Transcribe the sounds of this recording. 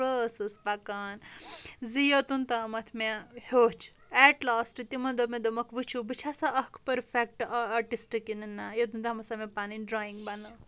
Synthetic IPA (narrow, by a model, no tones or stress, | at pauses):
ɾəsɐspɐkaːnzijot̪unt̪amɐt̪ʰmehot͡ʃʰ | ɛʈlaːsʈit̪imɐnd̪omẽd̪omɐkʰʋɨt͡ʃʰubɨt͡ʃʰasaʔɐkʰpɐɾfʰek̚ʈaʈisʈikininːajot̪̬unt̪amɐsamẽpaninɖɾaːiŋɡbɐnɐ